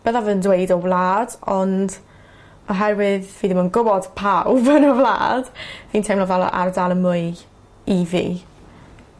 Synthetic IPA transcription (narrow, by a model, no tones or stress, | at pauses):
b̥əðavəndwejdɔvlˠaːdɔnd | ɔɦɛɾwɪðviːðɪmənɡʊbɔd̥pʰawbənɔvlˠa̰ːd̥viːntʰejmlɔvalˠɔ̰ʔa̰rdalˠəmʊɨ | ivḭː